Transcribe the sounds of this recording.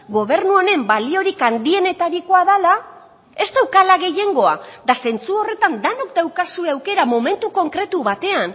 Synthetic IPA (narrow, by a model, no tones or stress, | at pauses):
ɡo̞β̞e̞ɾnuo̞ne̞mbalio̞ɾikand̪ie̞ne̞t̪aɾiko̞aðala | e̞st̪awkalaɣe̞je̞ŋɡo̞a̰d̪ase̞nt͡suo̞re̞t̪and̪anok̚d̪aewkasueawke̞ɾamome̞nt̪uko̞ŋkɾe̞t̪uβat̪e̞an